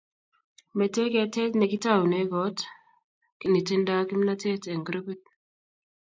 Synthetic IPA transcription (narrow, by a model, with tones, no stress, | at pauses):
mɛ˨te˦ke˦te˦tne˨ki˦ta˦˨wu˨ne˦ɡɔ˨˦t | ki˦˨ni˨te˦nda˦ki˦mna˦te˦te˨ŋɡɾə˦pi˦t̚